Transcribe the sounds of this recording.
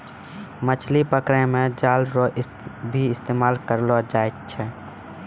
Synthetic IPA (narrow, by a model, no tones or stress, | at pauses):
mət͡ʃʰlipəkɾẽmẽd͡ʒaːlɾoɪ | bʱiɪst̪eːmaːlkəɾlod͡ʒaːet̪t͡ʃʰɛ